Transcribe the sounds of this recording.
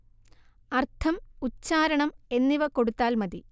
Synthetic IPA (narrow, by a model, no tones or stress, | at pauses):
ɐrt̪ʰɐmut͡ɕːaːɾɐɳɐme̞nːiʋɐko̞ɽut̪ːaːlmɐði